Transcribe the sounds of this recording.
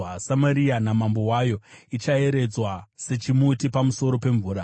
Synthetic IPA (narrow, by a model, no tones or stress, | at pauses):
asamaɾianamambo̞wajo̞it͡ʃae̞ɾe̞d͡zwase̞t͡ʃimutipamuso̞ɾo̞pe̞ɱvuːɾa